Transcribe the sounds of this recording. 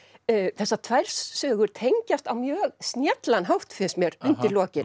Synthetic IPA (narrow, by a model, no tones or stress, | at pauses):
θɛsːat̪ʰvɛɾ̥sːœːɣʏɾ̥t̪ʰejɲcast̪awmjœːɣsnjɛt̪lanɦawht̪fɪsmjɛɾʏntt̪ɪɾlɔːcɪn